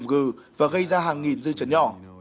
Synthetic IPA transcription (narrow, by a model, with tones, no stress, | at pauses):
mɣɨ˧˩vaː˨˩ɣə˧jzaː˧ɦaː˨˩ŋːi˨˩nzɨ̰˧t͡ɕə˨˦nɲɔ̰˧˩˨